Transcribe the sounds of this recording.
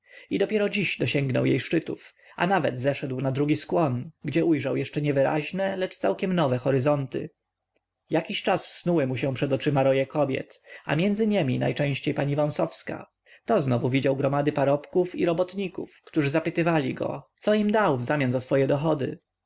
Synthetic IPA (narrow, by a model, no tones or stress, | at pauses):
id̪ɔpʲjɛɾɔd͡ʑiɕd̪ɔɕɛŋɡnɔ̰wjḛjʂt͡ʂɘt̪uf | a̰navɛ̰d̪zɛʂɛd̪wnad̪ɾuɡʲiskwɔnɡd͡ʑɛʔujʐawjɛʂt͡ʂɛɲɛvɘɾa̰ʑnɛlɛt͡ʂt̪sawkʲɛmnɔvɛxɔɾɘzɔnt̪ɘ̰ | jakʲiɕt͡ʂasːnuwɘmuɕɛ̃pʂɛd̪ɔt͡ʂɘmaɾɔjɛkɔbʲjɛ̰t̪a̰mʲjɛnd̪zɘɲɛmʲina̰jt͡ʂɛ̃w̃ɕt͡ɕejpaɲivɔ̃w̃sɔfska̰ | t̪ɔznɔvuvʲid͡ʑawɡɾɔmad̪ɘpaɾɔpkufḭɾɔbɔt̪ɲikṵfkt̪uʐɘzapɘt̪ɘvalʲḭɡɔ̰t̪sɔimd̪awvzamʲjanzasfɔjɛd̪ɔxɔd̪ɘ̰